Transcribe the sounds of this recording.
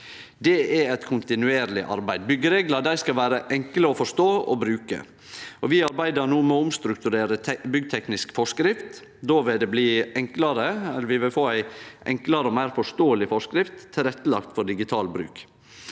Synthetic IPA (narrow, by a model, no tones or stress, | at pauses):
d̪ɛɛɛt̪kʰʊnt̪ɪnʉeːɾlɪʔɑ̰ɾbæɪd̪̚bʏɡːəɾeːɡləd̪æɪskɑlʋæːɾəʔɛŋkləɔfɔʂt̪oːɔ̰bɾʉːkə̰ | ɔʋɪɑɾbæɪd̪əɾnuːmɛɔʊmst̪ɾʉkt̪ʉɾeːɾəbʏɡt̪ʰɛknɪskfɔʂkɾɪft̪ | d̪oːʋɪld̪ɛbliːɛŋkləɾəɛlːəɾʋɪʋɪlfoːæɪʔɛŋkləɾəɔmæɪɾfɔʂt̪oːəlɪfɔʂkɾɪft̪ʰːɪlɾɛt̪ːəlɑ̰kt̪fɔɖɪɡɪt̪ʰɑːlbɾʉ̰ːk